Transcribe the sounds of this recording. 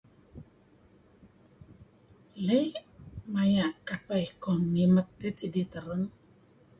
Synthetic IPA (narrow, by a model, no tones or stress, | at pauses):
lejmajaʔkapajkɔmnimət̪ːit̪idit̪əɾən